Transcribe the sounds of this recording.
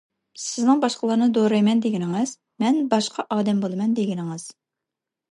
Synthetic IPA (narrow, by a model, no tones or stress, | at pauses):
sɪznɨŋbɑʃqəlˠɑɾnɨd̪oɾɑjmɛnd̪eɡʲɪnɪŋɨz̥ | mɛnbɑʃqʰɑʔɑːd̪ɛmbolˠɨmɛnd̪eɡʲɪnɪŋɨz̥